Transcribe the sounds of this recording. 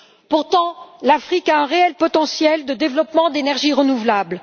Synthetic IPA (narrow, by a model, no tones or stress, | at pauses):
puʁt̪ɑ̃lafχikaɛ̃ʁeɛlpɔt̪ɑ̃sjɛld̪əd̪evlɔpmɑ̃d̪enɛʁʒiʁənuvlabl